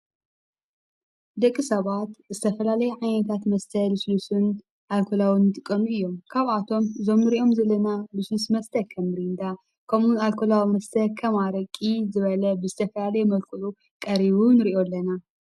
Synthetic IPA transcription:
d̪ɐkʼːɨsɐβat̪zɨt̪ʰɐfɐlalɐjɛʕajnɐt̪ʰat̪mɐst̪ʰɐlɨslusɨn | ʔalkʰolawinɨt̪ʼɨkʼːɐnuɨjːo̞mkʰaβat̪ʰo̞mɨzo̞mːɨɾiʔo̞mzɐlɐnalɨslusmɐst̪ʰɐkʰɐmɾind̪a | kʰɐmunalkʰolawimɐst̪ʰɐkʰɐmaɾɐkʼizɨβɐlɐbɨzɨt̪ʰɐfɐlalɐjɛmɐlkʰɨʔu | kʼɐɾiβunɨɾiʔo̞lːɐna

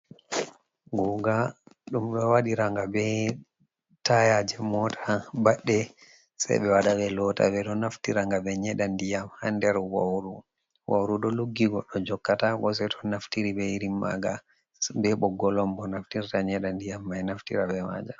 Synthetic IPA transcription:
ɡɔɡaɗumɗɔwaɗiɾaŋɡabɛ | tajad͡ʒɛmɔtʰabaɗːɛ | sa̰jɓɛwaɗabɛlɔta̰bɛɗɔnaftiɾaŋɡabɛɲɛɗandijamhandɛɾwawɾu | wawɾuɗɔluɡːiɡɔɗɔd͡ʒɔkːatakɔs̬ɛtʰɔnaftiɾibɛiɾimːa̰ɡa | bɛɓɔɡɔlɔmbɔnaftiɾtaɲɛɗandijamːajnaftḭɾabɛma̰d͡ʒa

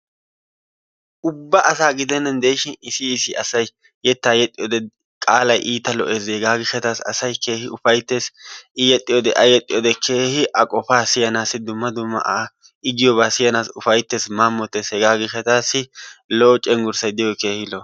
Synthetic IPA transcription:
ʔʊbːɐʔɐsaːɡɪd̪ɛnːɐnd̪e̞ːʃɪnɪsɪːsɪɐsɐj | jɛt̪ːaːjɛt̪ʼːɪjɔd̪ɛ | kʼaːlɐjʔiːt̪ɐlɔ̰ʔe̞ːzɛɡaːɡɪʃɐt̪aːsɐ̰sɐjke̞ːhɪʊfɐjt̪ːe̞ːsɪjɛt̪ʼːɪjɔd̪ɛ̰ʔɐjɛt̪ʼːɪjɔːd̪ɛkʰe̞ːhɪʔɐkʼɔfaːsɪjɐnaːsɪd̪ʊmːɐd̪ʊmːɐ̰ʔa | ɪɡɪjɔβaːsɪjɐnaːsʊfɐjt̪ːe̞ːsmaːmːɔt̪ːeːshɛɡaːɡɪʃɐt̪aːsːɪloːt͡ʃʼːɛŋɡʊɾsɐjd̪ɪjɔke̞ːhɪlɔ

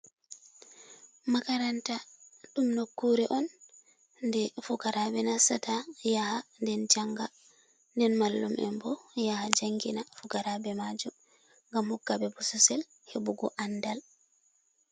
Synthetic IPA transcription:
makaɾantaɗumnokːuɾɛʔɔn | ndɛfukaɾabɛnasatajahandɛnd͡ʒaŋɡa | ndɛnmalːumɛ̰mbɔjahad͡ʒaŋɡinafukaɾabɛmad͡ʒum | ŋɡamhɔkːabɛbususɛl | hebuɡɔʔandal

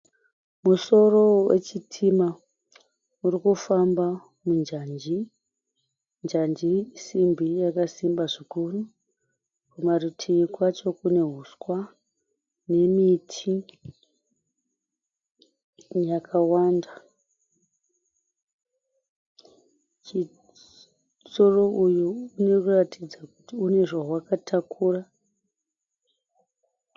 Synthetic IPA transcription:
muso̞ro̞we̞̰t͡ʃitʰima | uɾikufamba | mund͡ʒand͡ʒi | nd͡ʒand͡ʒisimbʱijakasimbaʐikuru | kumarutʰikwat͡ʃo̞kune̞ɦuskwa | ne̞mitʰi | jakʰawanda | t͡ʃi | so̞ro̞ujuːne̞kuratid͡zakutiune̞ʐawakatʰakʰura

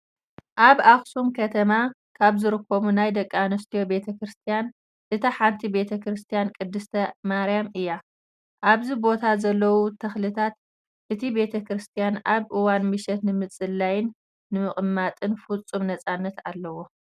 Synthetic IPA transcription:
ʔaβaxsumkʰɐt̪ʰɐma | kʰaβzɨɾɨkʰːomunajd̪ɐkʼːanɐst̪ʰijo̞be̞t̪ʰɐkɾɨst̪ʰijan | ʔɨt̪ʰɐħant̪ʰibe̞t̪ʰɐkɾɨst̪ʰijankʼɨd̪ːɨst̪ʰɐmaɾjamɨjːa | ʔaβzibo̞t̪ʰazɐlːɐwut̪ʰɐxlɨt̪ʰat̪ | ʔɨt̪ʰibe̞t̪ʰɐkɾɨst̪ʰijanaβʔɨwanmɨʃɛt̪nɨmɨt͡sʼɨlːajɪnː | ɨmɨχʼɨmːat̪ʼɨnfut͡sʼːumnɐt͡sʼanːɐt̪a̰lːɐwo̞

